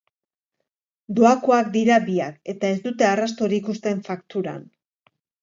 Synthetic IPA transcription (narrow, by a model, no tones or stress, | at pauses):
d̪oakoak̚d̪iɾabiake̞t̪ae̞zd̪ut̪e̞arast̪o̞ɾikust̪e̞ɱfakt̪uɾa̰n